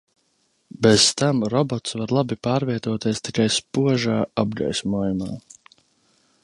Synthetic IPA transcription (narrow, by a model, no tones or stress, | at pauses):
bez̥t̪amɾɔbɔt̪svaɾlˠabipaːɾviɛt̪uɔt̪iɛst̪ikajspuɔʒaːab̚ɡɾa̰jsʲmuɔjumaː